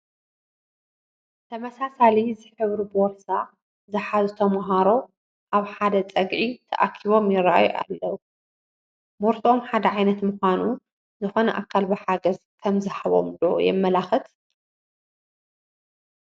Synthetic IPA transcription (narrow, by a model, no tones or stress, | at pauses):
t̪ʰɐmɐsasalizɨħɨβɾibɔɾsa | zɨħazut̪ʰɐmaɦaɾo̞ | ʔaβħad̪ɐt͡sʼɐɡʕit̪ʰɐ̰ʔakʰiβo̞mjɪraʔa̰jo̰ʔa̰lːɐwu | moɾt̪ʰomħad̪ɐʕajnɐt̪muxʷanu | zɨxo̞nɐʔakʰːalbɐħaɡɐz | kʰɐmzɨħaβo̞̰md̪uʔo̰jɛ̰mːɐlaxɨt̪